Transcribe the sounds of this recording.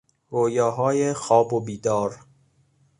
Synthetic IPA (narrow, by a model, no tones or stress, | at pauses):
ɾoːjɒːɦɒːjexɒːbobiːd̪ɒːɾ